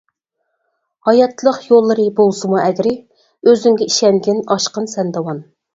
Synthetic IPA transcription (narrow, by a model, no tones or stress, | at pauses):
hɑjɑt̪ʰːlˠəqjolˠːɨɾɨbolˠsɨmuɛɡʲɾɪ | øzyŋɡʲɛiʃɛŋɡʲɪnɑʃqənsɛnd̪ɑwɑn